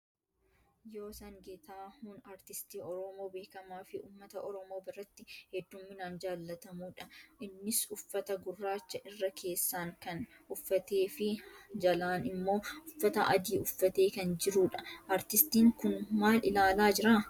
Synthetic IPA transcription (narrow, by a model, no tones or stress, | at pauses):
jo̞ːsɐŋɡeːt̪aːhuːnɐɾt̪ɪst̪iːɔɾɔmo̞ːbe̞ːkɐmaːfɪʔṵːmːɐt̪ɐʔɔɾɔmoːbɪrːɐt̪ːɪhɛd̪ːʊmːɪnaːnd͡ʒaːlːɐt̪ɐmuːᶑɐʔɪnːɪsʊfːɐt̪ɐɡʊrːaːt͡ʃːɐʔɪrːɐkʰe̞ːsːaːŋkɐnʊfːɐt̪e̞ːfɪd͡ʒɐlaːnɪmːo̞ːʊfːɐt̪ɐ̰ʔɐd̪iːʊfːɐt̪e̞ːkɐnd͡ʒɪɾuːᶑɐʔɐɾt̪ɪst̪iːŋkʊnmaːlɪlaːlaːd͡ʒɪɾaː